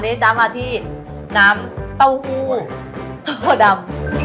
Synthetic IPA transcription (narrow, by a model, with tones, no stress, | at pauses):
de˨˦˥t͡ɕa˧˥maː˧˩t̪ʰiː˥˩ | naː˦˥mt̪a˥˩whuː˥˩ | t̪u˥˩da˧m